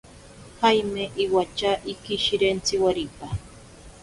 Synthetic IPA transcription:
hajmeʔiwat͡ʃaʔikiʃiɾent͡sɪwaɾipa

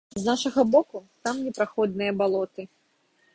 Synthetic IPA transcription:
znaʂɐɣɐbɔkut̪amnʲɛpɾaxɔd̪̚nɨjɐbalˠɔt̪ɨ

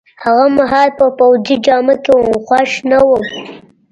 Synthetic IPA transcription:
haɣamaɦɑlpəpawd͡zid͡ʒɑmakewmxwaʃnawəm

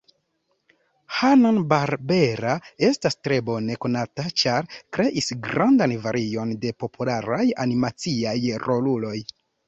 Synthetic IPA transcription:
hananbaɾbe̞ɾae̞stastɾe̞bo̞ne̞ko̞natat͡ʃaɾkɾe̞ʔisɡɾandanvaɾʔio̞nde̞po̞pʰulaɾajanimat͡siajrʔo̞lulo̞j

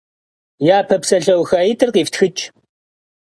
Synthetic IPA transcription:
jaːpʰɐpsɐɬɐwxaːjitʰʼɨrqiːftxɨt͡ʃʼ

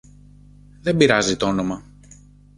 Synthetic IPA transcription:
ðe̞mbiɾɐzit̪oono̞mɐ

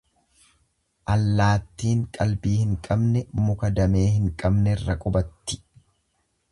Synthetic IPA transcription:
ʔɐlːaːt̪ːiːŋkʼɐlbiːhɪŋkʼɐbnɛmʊkɐd̪ɐme̞ːhɪŋkʼɐbnɛɪrːɐkʼʊbɐt̪ːɪ̥

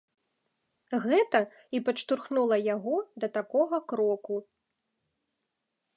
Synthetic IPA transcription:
ɣɛt̪ɐ | ipɐt͡ʂt̪urxnulˠɐjaɣɔd̪ɐt̪akɔɣɐkɾɔku

